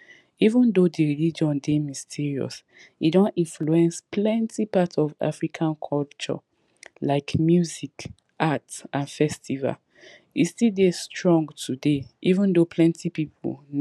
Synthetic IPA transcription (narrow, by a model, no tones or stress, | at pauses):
ivə̃ndodiɹilid͡ʒɔ̃ndemistʰiɹiɔ̰s | idɔ̃nĩnfluɛ̃nsplɛ̃ntʰipatɔva̰fɹikʰãnkʰɔlt͡ʃɔ̰ | laɪkmjuzik | ʔatsãnfɛstʰiva̰l | istildestɹɔ̃ŋɡtʰudeʔivə̃ndopʰlɛ̃ntʰipipʰṵ